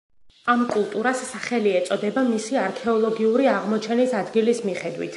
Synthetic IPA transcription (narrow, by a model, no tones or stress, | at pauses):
amkʼulˠt̪ʼuɾasːaχɛliɛt̪sʼɔd̪ɛbamisiaɾkʰɛɔlˠɔɡiuɾiaʁmɔt͡ʃʰɛnisad̪ɡilismiχɛd̪wḭt̪ʰ